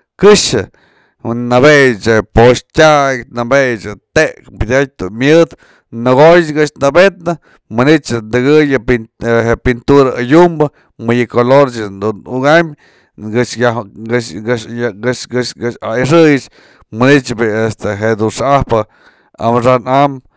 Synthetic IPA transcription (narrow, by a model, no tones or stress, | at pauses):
kɨʂɨ | nabejɨt͡ʃepoʂtʲaknabejt͡ʃɨt̪eʔkbʲid̪ʲat̚d̪umjɨd̪ | nɨɣojt͡ʃɡɨʂnabet̪nɨ | mɨnit͡ʃnd̪ɨɡɨjɨiɦepint̪uɾaajumbɨ | mɨjɨkoloɾt͡ʃɨnd̪unuɡamʲ | ɡɨt͡ʃa | ɡɨʃɨʃɡɨaiʂɨjɨt͡ʃ | mɨnit͡ʃbiest̪eɦeʔd̪unʂahpɨ | a̰mʂanam